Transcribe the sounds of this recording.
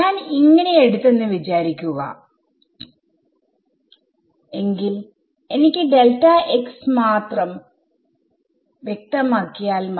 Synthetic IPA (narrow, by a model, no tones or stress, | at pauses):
ɲaːniŋːɐne̞eɽut̪ːe̞nːɨʋit͡ɕaːɾikʲːuɣɐ̰ | e̞ŋɡil | e̞nikʲːɨɖe̞lʈɐeksmaːt̪rɐm | ʋje̞k̚t̪ɐmaːkːijaːlm